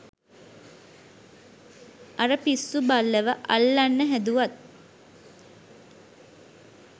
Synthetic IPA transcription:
aɾəpisːubalːəʋəʔa̰lːanːəɦæd̪uʋat̪̚

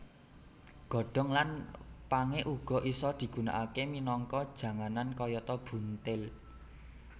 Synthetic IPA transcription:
ɡ̥ɔ̤ɖ̥ɔ̤ŋlanpaŋeʔuɡ̥ɔ̤ʔisɔd̪̥i̤ɡ̥ṳna̰ʔakeminɔŋkɔd̥ʒ̥ä̤ŋanankɔjɔt̪ɔb̥ṳnt̪ɪl

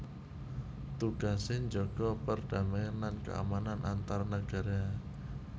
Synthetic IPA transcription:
t̪uɡ̥asɪɲd͡ʒɔɡ̥ɔpərd̥a̤maanlankə̰a̰mananʔant̪aɾanaɡ̥aɾa

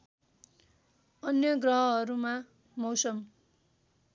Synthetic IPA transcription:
ʌnjʌɡrʌɦʌʌɾuma | mʌwsʌm

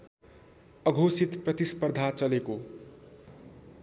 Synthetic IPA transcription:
ʌɡʱosit̪prʌt̪ispʌrd̪ʱat͡sʌleko

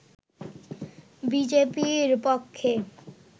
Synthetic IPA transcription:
bid͡ʑepiɾpokʰːe

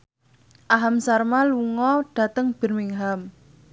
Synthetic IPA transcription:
ʔaɦamsarmaluŋɔɖ̥ä̤t̪əŋb̥ə̤rmɪŋɦam

